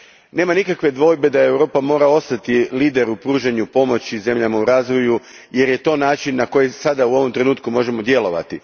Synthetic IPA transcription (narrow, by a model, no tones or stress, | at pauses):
ne̞ːmanikakʋe̞d̪ʋo̞ːjbe̞d̪ae̞wɾo̞ːpamo̞ːɾao̞st̪at̪iliːd̪e̞ɾupɾuːʒeɲupo̞mo̞t͡ɕize̞mʎamauɾaːzʋo̞ju | je̞ɾje̞t̪o̞ːnaːt͡ʃinːako̞jesad̪auo̞ʋo̞mt̪ɾe̞nuːt̪kumo̞ʒe̞mo̞d̪je̞lo̞ʋa̰t̪i